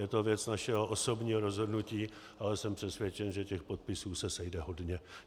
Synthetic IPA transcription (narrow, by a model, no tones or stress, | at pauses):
jɛt̪o̞vjɛt͡snaʃɛɦo̞ʔoso̞bɲiːɦoɾo̞zɦo̞dnuciː | ʔalɛsɛmpr̥ɛsvjɛt͡ʃɛnʒɛcɛxpot̪̚pɪsuːsɛsɛjdɛɦo̞dɲɛ